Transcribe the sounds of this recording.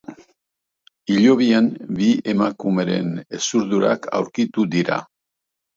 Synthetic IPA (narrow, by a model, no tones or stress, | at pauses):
iʎo̞βianbie̞makume̞ɾe̞̰ne̞suɾðuɾa̰kʰa̰wɾkit̪ud̪iɾa̰